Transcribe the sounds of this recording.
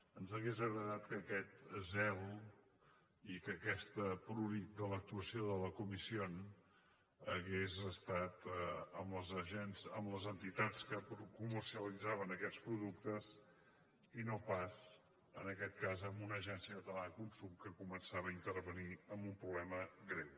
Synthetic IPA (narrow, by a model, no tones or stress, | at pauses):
ənzəɣezəɣɾəðat̪kəːkɛt̪zɛl | ikəkɛst̪əpɾunit̪̚d̪ələk̚t̪uəsioðələkumision | əɣezəst̪at̪əmləzəʒɛnzə̰mləzənt̪it̪at͡skəpɾukumərsiəlid͡zaβənəkɛspɾuðuk̚t̪əz | inopas | ənəkɛt̪̚kazəmbunəʒɛnsiəkət̪əlaəkunsumkəkumənsaβəːint̪əɾβəniəmbumpɾuβlɛməɣɾew